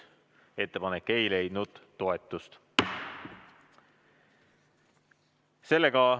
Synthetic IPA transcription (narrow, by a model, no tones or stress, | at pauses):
e̞t̪ːe̞pɑnekːe̞jle̞jd̪nud̪̥ːo̞e̞t̪ːˑust̪ | se̞lːe̞ɡ̥ɑ